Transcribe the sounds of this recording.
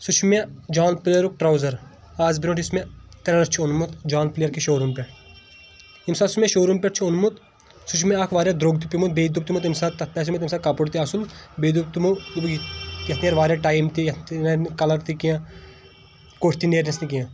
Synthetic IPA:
sut͡ʃʰmed͡ʒaːnplejɾuk̚ʈɾaːwzɐɾ | aːzbiɾoʈismẽt̪ɐɾɐɾɐɾt͡ʃʰionmut̪d͡ʒaːnplejɐɾkiʃoːɾumpʲeʈ | imsaːt̪smẽʃoːɾumpʲeʈt͡ʃʰionmut̪ | sut͡ʃʰmẽɐkʰʋaːɾjad̪ɾoːɡt̪̬ipimut̪̚beːd̪up̚t̪imut̪imsaːt̪ɐpɛs̬imut̪imsaːkapuʈt̪iɐsulbeːd̪up̚t̪umud̪ubjɐt̪ʰnijɐɾʋaːɾʲjaʈaːimt̪ijɐt̪nenkɐlɐɾt̪ikiã | koːʈʰt̪ineːɾnɐst̪ikijã

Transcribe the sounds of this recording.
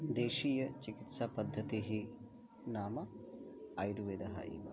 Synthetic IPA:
d̪eːʃiːjɐt͡ʃikit̪sapɐd̪ʱːɐt̪iɦi | naːmɐ | ɐjɾuʋeːd̪ɐɦɐ̰ʔḭːʋɐ

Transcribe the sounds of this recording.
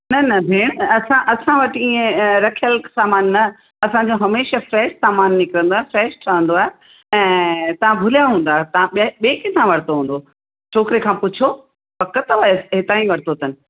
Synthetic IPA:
nɐnɐbʱeːɽ̃ɐsãʔɐsãʋɐʈiẽɾɐkʰijəlsaːmaːnːɐ | ɐsãɲd͡ʑoɦɐmeːʃəfɾɛːʃsaːmaːnːɪkɪɾə̃nd̪oaːɦefɾɛːʃʈʰɐʋə̃nd̪oaːɦe | ɛ̃ːt̪ɐʋ̤ãbʱʊlijaɦũːnd̪aːet̪ɐãɓɓeːkɪt̪ʰãʋɐɽt̪oɦũːnd̪o | t͡ɕʰoːkɾekʰãːpʊt͡ɕʰo | pɐkət̪ʋɐesɦɪt̪aːĩʋɐɾt̪ot̪ənɪ̆

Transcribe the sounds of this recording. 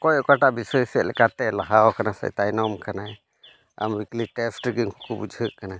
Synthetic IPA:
kɔjɔkaʈaʔbisɔsɛʔ̪̚lɛ̰kat̪ɛlaɦawkanasa̰jt̪ajnɔmkana | a̰mwikliʈɛsʈɾɡiŋhukubud͡ʒʱəʔkana

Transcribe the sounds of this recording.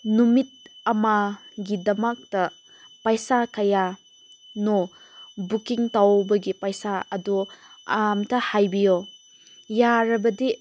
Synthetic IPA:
numit̚ɐmaɡidɐmak̚tɐ | pajsakɐja | nɔ | bukiŋtawbɐɡipajsaɐdɔamtʰɐhajbijo | jaɾɐbɐdi

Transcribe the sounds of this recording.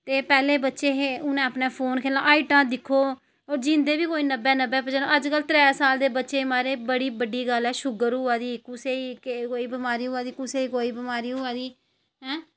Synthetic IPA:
t̪eːpɛːleːbətːʃeːɦeːʊnẽːapneːpʰoːnkʰeːlãːʔaːiːʈãːd̪ɪkʰːoː | ɔːɾd͡ʒɪ̃ːnd̪eːbiːkoːiːnəbɛːnəbɛːpəd͡ʒaːnõːʔəd͡ʒkəlt̪ɾɛːsaːld̪eːbətːʃeːmaːɾeːbəɽiːbəɖiːɡəlɛːʃʊɡəɾɦʊaːd̪iːkʊseːiːkekoːiːbəmaːɾiːɦʊaːd̪iːkʊseːiːkoːiːbəmaːɾiːɦʊaːd̪iː | ɦɛ̃ː

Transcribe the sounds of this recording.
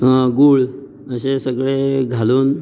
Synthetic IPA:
əɡuɭ | əɕesəɡɭeɡʱaluːn

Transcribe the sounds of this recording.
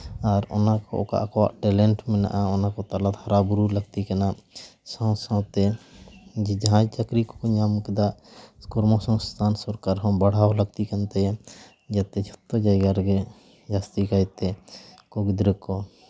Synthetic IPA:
aɾɔ̰nakɔ̰ʔɔ̰ka̰ʔakɔwa̰ʔʈɛlɛɳʈmɛna̰ʔaɔnakɔt̪alat̪haɾabuɾuləɡt̪ikanasɔ̃w̃sãw̃t̪ɛ | d͡ʒid͡ʒ̪ɦãd͡ʒt͡ʃəkɾikɔ̥kɔɲamkɛd̪aʔkɔɾmɔsɔ̃st̪ʰansɔɾkaɾɦɔ̃baɽ̤awləɡ̚t̪ikant̪ɛ | d͡ʒat̪ɛd͡ʒʰɔt̪ːɔd͡ʒajɡaɾɡɛ | d͡ʒast̪ikajt̪ɛ | kɔɡd̪ɾəkɔ

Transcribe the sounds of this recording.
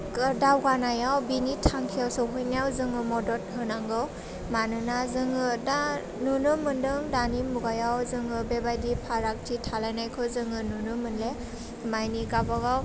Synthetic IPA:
kdawɡanajawbinitʰaŋkʰijawsɯwɦɯjnijawzɯŋɯmɔdɔt̚ɦɯnaŋɡɯw | manɯnazɯŋɯda | nunɯmɯndɯŋdanimuɡajawzɯŋɯbebajdipʰaɾak̚tʰitʰalajnajkʰɯzɯŋɯnunɯmɯnle | majniɡabaɡaw

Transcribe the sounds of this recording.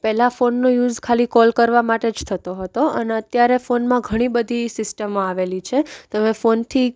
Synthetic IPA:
pɛlafonːojud͡ʒkʰalikɔlkəɾʋamaʈed͡ʒt̪ʰət̪oɦət̪oə̰neət̪jaɾefonmãɡʱəɽ̃ibəd̪ʱisɪsʈəmoaʋelit͡ʃʰet̪əmefont̪ʰi

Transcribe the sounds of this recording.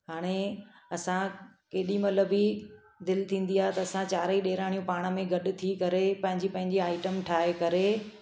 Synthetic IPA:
ɦaːɽ̃e | ɐsãkeːɗimɐləbi | d̪ɪlt̪ʰĩːn̆d̪iaːɦet̪ɐɐsãt͡ɕaːɾiɗeːɾaːɽ̃ijũpaːɽ̃əmẽɡɐɗʊ̆t̪ʰikɐɾepɐ̃ɦɪ̃ɲd͡ʑipɐ̃ɦɪ̃ɲd͡ʑiaːɪʈəmʈʰaːɦekɐɾe

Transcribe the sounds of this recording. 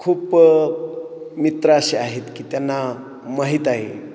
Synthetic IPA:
kʰuːp | mit̪ɾəəɕeaɦet̪kiːt̪janːa | məɦit̪aɦe

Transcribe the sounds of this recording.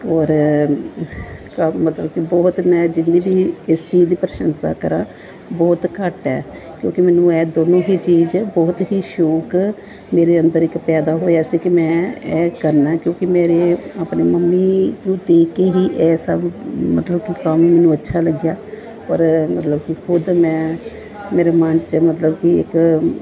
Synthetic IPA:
ɔːɾ | kmət̪ləbkɪbɔːt̪mɛ̃ːd͡ʒɪnːĩːbiːɪst͡ʃiːd͡ʒd̪iːpɾəʃənsa̰ːkəɾãː | bɔːt̪kəʈɛ̰ː | kjõːkɪmɛːnũːɛːd̪oːnõːɦiːt͡ʃiːd͡ʒbɔːt̪ɦiːʃoːk | meːɾeːənd̪əɾɪkpɛːd̪aːɦoːjaːsiːkɪmɛ̃ːɛːkəɾnaːkjõːkɪmeːɾeaːpneːməmːiːnũːt̪eːkeːɦiːʔɛːsaːmət̪ləb̚kikəmmɛːnũːətːʃʰaːləɡjaː | ɔːɾmət̪ləbkɪkʰʊd̪mɛ̃ː | meːɾemənt͡ʃmət̪ləbkiɪ̰k

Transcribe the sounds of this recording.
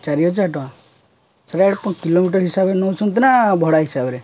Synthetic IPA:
t͡ʃaɾijɔd͡ʒʰaʈɔã | sɔɾaɽpɔ̃kilomiʈ̬ɔɾɦisabenɔusɔnt̪inabʱɔɽaɦisabɔɾe

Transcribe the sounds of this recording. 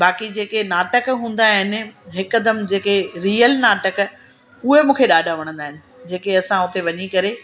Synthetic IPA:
baːkid͡ʑeːkenaːʈəkɦũːn̆d̪aːɦɪnɪ̆ɦɪkɐd̪əmd͡ʑeːkeɾiːəlnaːʈək | ʊɦemũːkʰeɗaːɖʱaʋɐɽ̃ə̃nd̪aːɦɪnɪ̆d͡ʑeːkeɐsãʊt̪eʋɐɲikɐɾe

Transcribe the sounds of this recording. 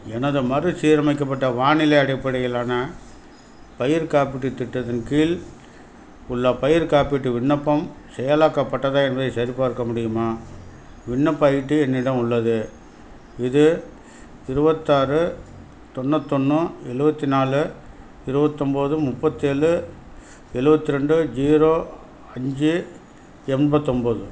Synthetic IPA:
ɛnɐðɯmɐrɯsiːɾɐmɐɪk̬ːɐpːɐʈːɐʋaːnɪlɐɪɐɽɪpːɐɽɐjɪlaːnɐ | pɐjɪɾkaːpɪʈːɯt̪ːɪʈːɐðɐnkiːl | ʊɭːɐpɐjɪɾkaːpɪʈːɯʋɪɳːɐpːɐm | sɛjɐlaːkːɐpːɐʈːɐðaːɛnbɐðɐɪsɐɾɪpːaːɪɾɯkːɐmʊɽɪjɯmaː | ʋɪɳːɐpːɐjɪʈːɯɛnːɪɽɐmʊɭːɐðɯ | ɪðɯ | ɪɾɯbɐt̪ːaːɾɯ | t̪ɔɳːɐt̪ːɔnːɯɛɻɯbɐt̪ːinaːlɯ | ɪɾɯbɐt̪ːɔmbɐðɯmʊpːɐt̪ːeːɭɯ | ɛɻɯbɐt̪ːɪɾɛɳɖɯd͡ʒiːɾoː | ɐɲd͡ʒɯ | ɛmbɐt̪ːɔmbɐðɯ

